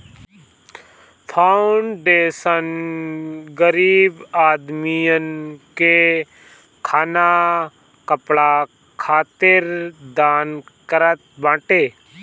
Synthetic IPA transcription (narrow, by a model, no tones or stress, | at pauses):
pʰaʊɳɖeːsən | ɡəɾiːbaːd̪mijənke | kʰaːna | kɐpɽa | kʰaːt̪ɪɾd̪aːnkəɾət̪̚bãːʈeː